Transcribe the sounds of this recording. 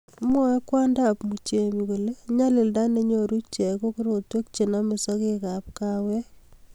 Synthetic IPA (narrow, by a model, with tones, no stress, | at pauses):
mɔ˦a˦kwa˦nda˦pmu˨t͡ʃe˨mi˨ko˨le˦ɲa˦lɪ˨lda˦ne˦ɲoɾu˦t͡ʃɛ˨ko˦kiɾo˨twe˦k̚t͡ʃe˨na˦mɪ˨sɔ˦keka˨p̚kawɛ˦